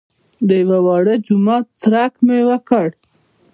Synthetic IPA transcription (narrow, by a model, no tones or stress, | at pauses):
d̪əjwawɑɽəd͡ʒumɑt̪ːɾakmewəkəɽ